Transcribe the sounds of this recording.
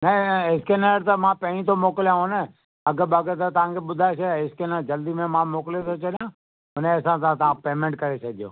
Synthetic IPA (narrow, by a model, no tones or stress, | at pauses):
nɐɪskenaɾt̪ɐmãpɐ̃ɦɪ̃ɲĩt̪ʰomoːkɪljãɦʊnə | ɐɡəbɐɡət̪ɐt̪ɐʋ̤ãkʰeɓʊd̪ʱaes̬eɪskenad͡ʑɐld̪imẽmãmoːkɪljet̪ʰot͡ɕɐɗijã | ʊnẽɐsãt̪ãt̪ɐʋãpeːmẽɳʈ̚kɐɾesʰɐd̪ʱijo̰ː